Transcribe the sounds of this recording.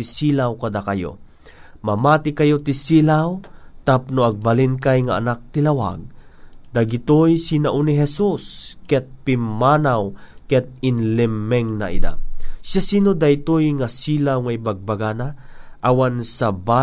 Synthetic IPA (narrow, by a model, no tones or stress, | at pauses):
isiːlawkad̪akajo̰ | mamaːt̪ɪkɐjot̪isiːlawt̪apnoɐɡ̚balinkajŋaʔːnak̚t̪ɪlawa̰ɡ̚d̪̥aɡɪt̪ojsinaʔuniɦɛsuskɛt̪̚pɪmːaːnawkɛt̪̚ɪnlɛmːɛŋna̰ʔḭd̪a̰ʃasiːnod̪ajt̪ojŋasiːlawŋaibaɡ̚baɡanaʔawansaba